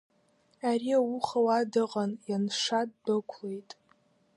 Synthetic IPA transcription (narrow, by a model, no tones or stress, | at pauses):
aɾiawuχawadɨqʼanjanʂadːɨkʷʰlejtʼ